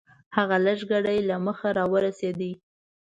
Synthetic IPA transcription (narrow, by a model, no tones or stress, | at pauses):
haɣaləʒɡaɽajlaməxaɾɑwəɾased̪i